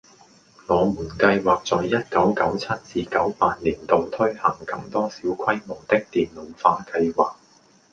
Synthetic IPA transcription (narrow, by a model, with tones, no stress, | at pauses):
ŋɔː˨˧muː˨˩nkɐ˧jwaː˨˩k̚t͡sɔː˨jjɐ˥t̚kɐ˨˥wkɐ˨˥wt͡sʰɐ˥t̚t͡siː˧kɐ˨˥wpaː˧t̚liː˨˩nt̪o˨wt̪ʰɵ˥ɥhɐ˨˩ŋkɐ˥mt̪ɔː˥siː˨˥wkʷʰɐ˥jmo˨˩wt̪ɪ˥k̚t̪iː˨nlo˨˧wfaː˧kɐ˧jwaː˨k̚